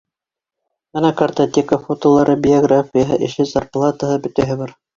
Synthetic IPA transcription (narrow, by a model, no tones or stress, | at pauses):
bɤnækɐrt̪ot̪ʲekəfot̪olˠɑɾʔɤbʲɪoɡrafʲijəɦɤʔɘ̆ʃɘzarplˠat̪əhɤbɵ̆t̪æɦɘbɑɾ